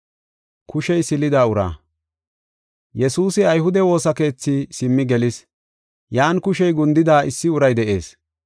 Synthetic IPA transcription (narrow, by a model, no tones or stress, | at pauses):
kʊʃɛjsɪlɪd̪aːʊɾa̰ː | jɛsuːsɪɐjɦʊd̪ɛwo̞ːsɐke̞ːt͡sːiːsɪmːɪɡɛlɪs | jaːnkʊʃɛjɡʊnd̪ɪd̪aːʔɪsːɪʊɾɐjd̪ɛʔe̞̰ːs